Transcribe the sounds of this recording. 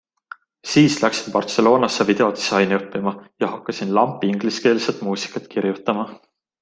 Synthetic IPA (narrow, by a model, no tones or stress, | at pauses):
siːslæksi̥npɑrt̪se̞lo̞ːnɑsːevid̪e̞o̞d̪̥isɑjnɤpːimɑjɑhɑkːɑsinlɑmpˑːiŋɡ̥liske̞ːlset̪ˑmuːsi̥kːˑɑt̪kiɾjut̪ːˑɑmɑ